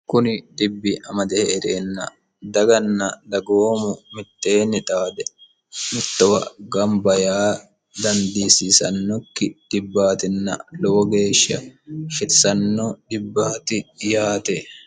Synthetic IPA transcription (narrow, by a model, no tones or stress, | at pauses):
kʊnɪd̪ɪbːɪʔɐmɐd̪ɛhɛːɾeːnːɐ̰ | d̪ɐɡɐnːɐd̪ɐɡoːmʊmɪt̪ːe̞ːnːɪt̪ʼaːd̪ɛ | mɪt̪ːɔwɐ̰ɡɐmbɐjaː | d̪ɐnd̪iːsɪsɐ̰nːɔkːɪd̪̥ɪbːaːt̪ɪnːɐ̰lɔwɔɡe̞ːʃɐfɪɾsɐnːɔd̪̥ɪbːaːt̪ɪjaːt̪e